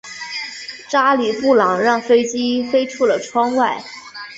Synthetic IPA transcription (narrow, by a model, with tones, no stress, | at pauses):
ʈ͡ʂa˥li˨˩pu˥˩lɑ˨˩˦ŋɻɑ˥˩ŋfe˥ɪt͡ɕi˥fe˥ɪʈ͡ʂʰu˥˩lə˩ʈ͡ʂʰwɑ˥ŋwa˥˩ɪ